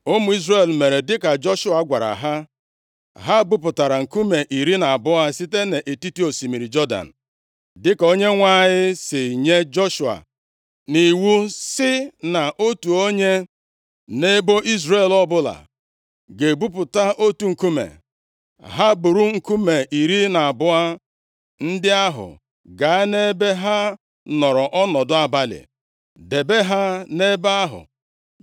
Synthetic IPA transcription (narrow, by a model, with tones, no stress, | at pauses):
ʊ˦mʊ˨i˦zɾe˦˨lme˨ɾe˨dɪ˦ka˨d͡ʒɔ˦ʃʊ˦a˨ɡʷa˨ɾa̰˨ɦa˦ | ɦa˦bu˦p̬ʊ˨ta˨ɾa˨ŋ̩˨ku˦me˨ʔi˨ɾi˦na˨bʊ˦a˦si˦te˦ne˨ʔe˨ti˦ti˦o˨si˨mi˨ɾi˨d͡ʒɔ˦da̰˨n̩˨ | dɪ˦ko˦ɲe˦ŋʷa˦ɲɪ˦sɪ˨ɲe˦d͡ʒɔ˦ʃʊ˨a̰˨ | ni˨wu˦sɪ˦na˨ʔo˦tu˨o˦ɲe˦ | ne˦bo˦ʔi˦zɾe˨lɔ˦bʊ˦la̰˨ | ɡe˨bu˦p̬ʊ˨ta˦ʔo˦tu˨ŋ̩˨ku˦mḛ˨ | ɦa˦bʊ˨ɾu˦ŋ̩˨ku˦me˨ʔi˨ɾi˦na˨a˨bʊ˦a˦ | n̩˦dɪ˦a˦ɦʊ̰˨ | ɡa˨a˦ne˦be˦ɦa˦ | nɔ˨ɾɔ˨ʔɔ˦nɔ˨dʊ˦a˨ba˦lɪ̰˨ | de˨be˦ɦa˦ne˦ba˦ɦʊ̰˨